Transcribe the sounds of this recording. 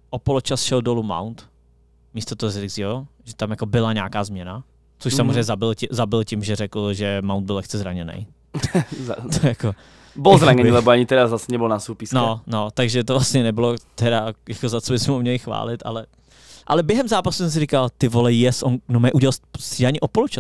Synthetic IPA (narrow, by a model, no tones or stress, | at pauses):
ʔopolot͡ʃasʃɛldoluma̰wnt̪ | miːst̪ot̪oɦozɾɪɡzɪoʒɛt̪amjakobɪlaɲaːkaːzmɲɛna | t͡soʃsamozɾrejɲːɛzabɪlcɪzabɪlcimʒɛɾɛkl̩ʒɛmawnd̪̚bɪlɛxt͡sɛzɾaɲɛnɛ̰j | t̪ojako | bɔlzɾaɲɛnilɛbɔaɲɪt̪ɛɾazasɛɲɛbolnasupisnonot̪aɡʒɛt̪ovlastɲɛnɛbɪlot̪ɛɾajakozat͡sobɪsmɛumɲɛlɪxva̰ːlɪt̪ʔa̰lɛ | ʔalɛbjɛɦɛmzaːpasu̥sɛms̬ɪɾikalt̪ɪvolɛjɛsʔonnomɛʔuɟɛalssidaɲɪʔopolut͡ʃa